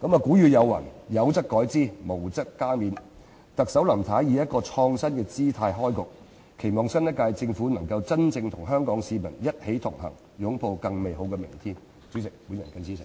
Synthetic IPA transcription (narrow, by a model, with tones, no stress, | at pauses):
kɐ˨˥mɐ˨kuː˨˥jyː˨˧jɐ˨˧wːɐ̰˨˩njɐ˨˧˥wt͡sɐ˥k̚kːɔː˨˥jt͡siː˥˩mo˨˩wt͡sɐ˥kːaː˥miː˨˧n | t̪ɐ˨k̚sɐ˨˥wlɐ˨˩mt̪ʰaː˨˥jjiː˨˧˥jɐ˥t̚kɔː˧t͡ʃʰɔː˧ŋsɐ˥nkɛː˧t͡siː˥t̪ʰaː˧jɦɔː˥jkʊ˨k̚ | kʰe˨˩jmɔː˨ŋsɐ˥njɐ˥t̚kaː˧jt͡sɪ˧ŋfuː˨˥nɐ˨˩ŋkɐ˧wt͡sɐ˥nt͡sɪ˧ŋt̪ʰʊ˨˩ŋɦœː˥ŋkɔː˨˥ŋsiː˨˧mɐ˨˩njɐ˥t̚he˨˥jt̪ʰʊ˨˩ŋɦɐ̰˨˩ŋ | jʊ˨˥ŋpʰo˧wkɐ˧ŋme˨jɦo˨˥wkɛː˧mɪ̰˨˩ŋt̪ʰiː˥n | t͡sy˨˥sɪ˨˩k̚puː˨˥njɐ˨˩nkɐ˧nsiː˥sʰɪ˨˩ŋ